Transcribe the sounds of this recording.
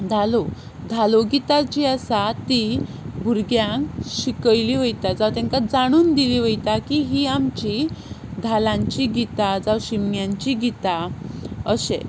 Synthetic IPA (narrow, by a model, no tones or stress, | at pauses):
d͡z̪ʱalo | d̪ʱaloɡit̪at͡ɕiəsat̪i | bʱuɾɡjãŋkɕikəjliʋəjt̪ad͡zaʋt̪ɛ̃ŋkad͡zaɽ̃uːnd̪iliʋəjt̪akiɦiamt͡ɕid̪ʱalãɲt͡ɕiɡit̪ad͡zaʋɕimjãɲt͡ɕiɡit̪a | əɕḛ̃